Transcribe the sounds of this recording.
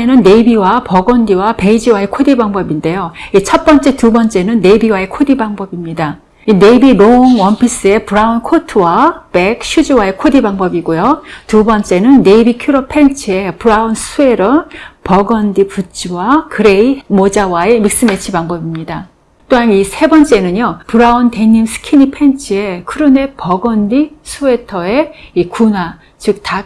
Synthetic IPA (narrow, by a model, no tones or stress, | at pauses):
enɯnːe̞ibiwapʌɡʌndiwape̞id͡ʑiwae̞kʰodibaŋbʌbinde̞joit͡ɕʰʌt̚p͈ʌnt͡ɕ͈e̞tubʌnt͡ɕ͈e̞nɯnːe̞biwae̞kʰodibaŋbʌbimɲida | ine̞ibiɾoŋwʌmpʰis͈ɯe̞puɾaunkʰotʰɯwape̞kɕʰud͡ʑuwae̞kʰodibaŋbʌbiɡojotubʌnt͡ɕ͈e̞nɯnːe̞bikʰjuɾʌpʰe̞nt͡ɕʰie̞puɾaunsʰue̞ɾʌpʌɡʌndiput͡ɕ͈ʰiwakɯɾe̞imod͡ʑawae̞mik̚s͈ɯme̞t͡ɕʰibaŋbʌbimɲida | t͈oɦanisʰe̞bʌnt͡ɕ͈e̞nɯɲjopuɾaunte̞ɲimsʰɯ̥kʰinipʰe̞nt͡ɕʰie̞kʰɯɾɯne̞pʌɡʌndisʰue̞tʰʌe̞ikunwa | t͡ɕɯk̚ta